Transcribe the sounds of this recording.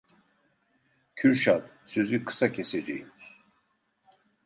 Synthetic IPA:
cʰyɾʃad̪ | søzykʰɨ̥sacʲʰɛsɛd͡ʒɛjim

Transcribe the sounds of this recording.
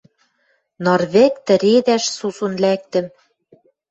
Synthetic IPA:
nɤrβĕkt̪ɘ̆ɾed̪æʃsusunlæk̚t̪ɘ̆m

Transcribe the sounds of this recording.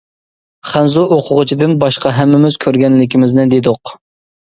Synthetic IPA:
χænzuʔoqʰʊʁʊt͡ʃʰid̪ɪnbɑʃqɑɦɛmːɪmɪz̥kʲʰøɾɡʲɛnlɪkʲimɪznɪd̪ed̪ʊq

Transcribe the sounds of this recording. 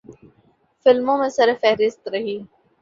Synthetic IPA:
fɪlmõmẽsɐɾfɛɦɾɪst̪ɾɐɦiː

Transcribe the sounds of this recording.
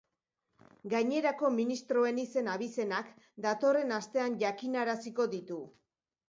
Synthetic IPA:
ɡajɲe̞ɾako̞minist̪ɾo̞e̞nise̞naβ̞ise̞nak | d̪at̪o̞re̞nast̪e̞anʝakinaɾasiko̞ðit̪u

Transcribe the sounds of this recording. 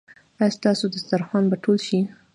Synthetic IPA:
ast̪ɑsod̪əst̪aɾxwɑnbaʈʰolʃi

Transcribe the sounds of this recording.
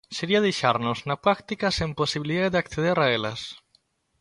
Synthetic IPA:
seɾiað̞ejʃaɾnoznapɾakt̪ikasemposiβ̞iliðaððakθeð̞eɾaela̰s

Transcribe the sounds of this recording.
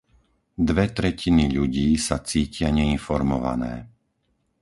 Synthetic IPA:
d̪ʋɛt̪ɾɛcʰiniʎuɟiːsat͡siːcɪaɲɛinfɔɾmɔʋa̰nɛ̰ː

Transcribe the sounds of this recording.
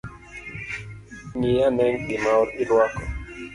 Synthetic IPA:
ŋijanɛŋɗɪmaɔɾɪlwakɔ

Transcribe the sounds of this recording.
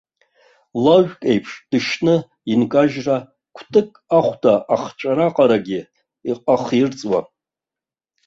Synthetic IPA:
laʒᶣkʼejpʰʂd̥ɨʃnɨ | inkʼaʒra | kʷʰtʼɨkʼaχʷdaʔaχt͡ʃʷʼaɾaqʼaɾaɡʲi | iqʼaχirt͡sʼwa̰

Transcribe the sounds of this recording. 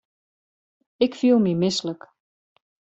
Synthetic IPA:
ɪkfilˠmimɪslək

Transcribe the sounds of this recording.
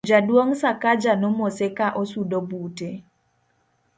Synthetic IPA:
d͡ʒadwoŋsakad͡ʒanomosekaʔosudobute

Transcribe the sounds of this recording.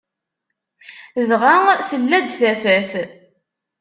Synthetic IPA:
ðʁaθəlːæd̪θæfæθ

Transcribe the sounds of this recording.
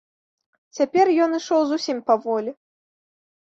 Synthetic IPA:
t͡sʲapʲɛrjɔnɨʂɔwzusʲimpɐvɔlʲi

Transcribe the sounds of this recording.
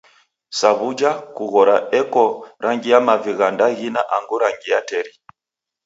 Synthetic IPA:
saβud͡ʒakuɣɔɾaɛkɔɾʔaŋɡijamaviɣandaɣinaʔaŋɡuɾaŋɡijatɛɾi

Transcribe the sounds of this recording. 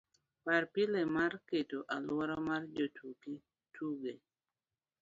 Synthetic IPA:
paɾpilemaɾketoʔalwɔɾɔmard͡ʒotʰuke | tʰuɡe

